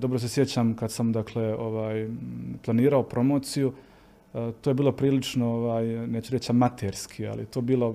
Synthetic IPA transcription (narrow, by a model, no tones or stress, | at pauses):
d̪o̞bɾos̬esjet͡ɕamkad̪samd̪akʰle̞oʋaːjplˠaniːɾaopɾo̞mo̞ːt̪siju | t̪oje̞biːlo̞pɾiːlit͡ʃnooʋaːjneːt͡ɕuɾet͡ɕamːat̪ʰeɾskʰia̰lḭjet̪oːbiːlˠo̞